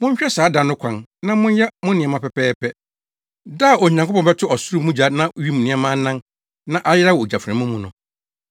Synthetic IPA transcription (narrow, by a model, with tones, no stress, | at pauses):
mʊ̃˦ɲ̩˦ɕᶣɛ˦saː˨˦da˨nʊ̃˦kʷʰã˨nnã˦mʊ̃˦n˦jɛ˦mʊ̃˦nɪ̃˨ɛ˨mã˦pɛ˨pɛː˦pʰɛ˦ | da˦˨ɔ˨ɲ˨ã˨kʰo˦pʰɔ̃˨bɛ˦tʰʊ˦ɔ˨sʊ˦ɾu˦mũ˦d͡ʑa˨nã˦ɥi˦mũ˨nɪ̃˦a˦mãː˦nã˦n | nã˦ʔa˦jɪ˦ɾa˦wɔ˨o˨d͡ʑa˨fɾɛ̃˨˦mũ˦mũ˦nʊ̃˨